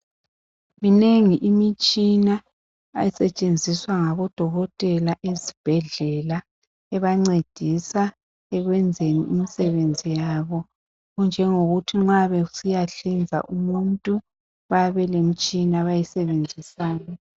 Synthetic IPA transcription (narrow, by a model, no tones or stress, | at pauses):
mineŋiʔimit͡ʃʼina̰ː | jisɛt͡ʃʼend͡zʱiswaŋaβɔd̥ʱɔɣɔtʼɛlaʔezib̥ʱɛɮɛla | ɛβaŋ͡ǀed̥ʱisa | ɛɣwɛnd͡zʱenḭimisɛβend͡zʱijaβɔ | ɣund͡ʒʱɛŋoɣutʰiŋ͡ǁaβɛusijaɬind͡zʱa̰ʔumuntʼu | βaβɛlem̩t͡ʃʼinaβajisɛβend͡zʱisaːnɔ